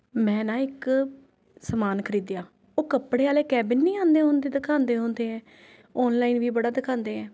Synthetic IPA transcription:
mɛ̃ːnãːɪk | səmaːnkʰəɾiːd̪jaː | oːkəpɽeːaːleːkɛːbɪnːiːãːnd̪eːɦõːnd̪eːd̪ɪkʰãːnd̪eːɦõːnd̪eːɛ̃ː | ɔːnlaːiːnʋiːbəɽaːd̪ɪkʰãːnd̪eːɛ̃ː

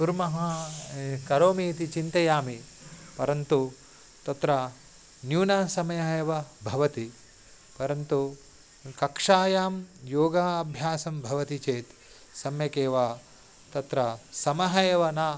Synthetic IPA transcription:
t̪uɾmɐɦɐ | kɐɾoːmiːt̪it͡ʃint̪ɐjaːmi | pɐɾɐnt̪u | t̪ɐt̪ɾɐ | njuːnɐsɐmɐjɐɦɐjɐʋɐbʱɐʋɐt̪i | pɐɾɐnt̪u | kɐkʂaːjaːmjoːɡaːɐbʱjaːsɐmbʱɐʋɐt̪it͡ʃeːt̪ | sɐmjɐkeːʋaː | t̪ɐt̪ɾɐsɐmɐɦɐjɐʋɐnaː

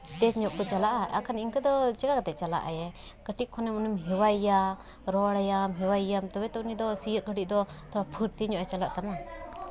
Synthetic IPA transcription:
t̪ɛt͡ʃɲɔʔkɔt͡ʃalaʔaa̰kʰaniŋkəd̪ɔd͡ʒɛɡakat̪ɛt͡ʃala̰ʔa̰jɛ | kəʈiʔkʰɔnɛmunumɦiwaija | ɾɔɽajamɦiwaijamt̪ɔwɛt̪ɔunid̪ɔsijəʔ̚ɡəʈiʔ̚d̪ɔt̪ɔɾapʰuɾt̪iɲɔʔɛt͡ʃalaʔt̪ama

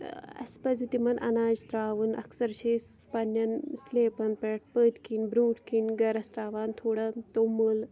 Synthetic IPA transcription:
ɐ̰spɐd͡zit̪imɐnʔɐ̰naːd͡ʒt̪ɾaːʋunɐ̰ksɐɾɕeːs | pɐnjɐnsleːpɐnpeːʈ̚pət̪kinbɾuːʈkinɡɐɾɐst̪ɾaːʋaːnt̪ʰoːɽɐt̪omːul

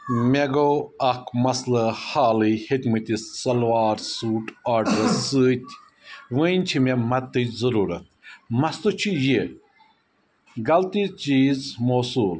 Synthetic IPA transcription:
meɡoɐkmɐslɐhaːlihit̪mɨt̪ʲissɐlʋaːɾsuːʈaːɾɖɐɾɐɨːt̪ʲ | ʋɨ̃nʲt͡ʃʰimemɐt̪ːɨzɐɾuːɾɐt̪̚mɐst̪ut͡ʃʰije | ɡɐlt̪it͡ʃiːzmoːsuːl

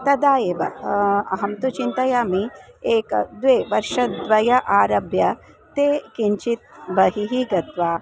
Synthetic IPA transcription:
t̪ɐd̪aːjeːʋɐɐ̰ɦɐmt̪ut͡ʃint̪ɐjaːmieːkd̪ʋeːʋɐɾʃɐd̪ʋɐjɐʔaːɾɐbʱjɐ | t̪eːkiɲt͡ʃit̪̚bɐɦiɦiɡɐt̪ʋaː

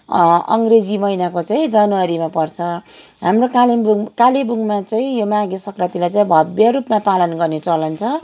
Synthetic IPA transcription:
ʌ̰ŋɡred͡zimʌjnakot͡saĩd͡zʌnwʌɾimapʌrt͡sʰʌ | ɦamrokalkalebuɡmat͡saĩjomaɡesʌkrʌt̪ilajt͡saĩbʱʌbjʌɾupmapalʌnɡʌrnet͡sʌlʌnt͡sʰʌ

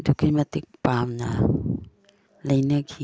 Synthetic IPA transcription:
dukʰimat̪ik̚pamna | lajnakʰi

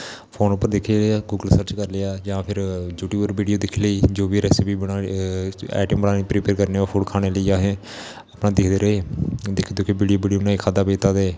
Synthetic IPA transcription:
pʰoːnʊpːəɾd̪ɪkʰeleaːɡuːɡəlsəɾt͡ʃkəɾleaːd͡ʒãːpʰɪɾd͡ʒuːʈuːbəɾʋiːɖijoːd̪ɪkʰləiːd͡ʒoːʋiːɾɛːsipiːbəɽaː | ɛ̰ːʈəmbənaːnipɾiːpeːɾkəɾneːoːpʰoːɽkʰaːɽ̃eːləiːaːɦẽː | əpnãːd̪ɪkʰd̪eːɾəɦeːd̪ɪkʰd̪oːkebiːɖijoːbiːɖijoːnaːikʰaːd̪aːpeːt̪aːd̪eː

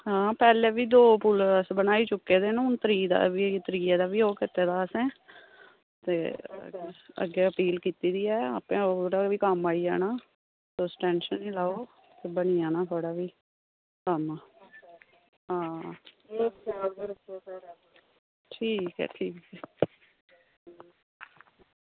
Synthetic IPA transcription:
ɦãːpɛːleːbiːd̪oːpʊləsbənaːiːt͡ʃʊkːeːd̪eːnʊnt̪əɾiːd̪a̰ːʋiːt̪əɾiːeːd̪aːʋiːoːkɪt̪eːd̪aːəsɛ̃ː | t̪ḛː | ə̰ɡːeːəpiːlkiːt̪iːd̪iːɛːa̰ːpẽːooɽaːʋiːkəmaːiːɛ̰ːnaː | sosʈɛ̃ːnʃənːĩːlaːoː | t̪eːbəniːaːnaːt̪ʰoːɽaːʋiː | kəmaː | ɦãː | ʈʰiːkɦɛ̰ːʈʰiːkɛː

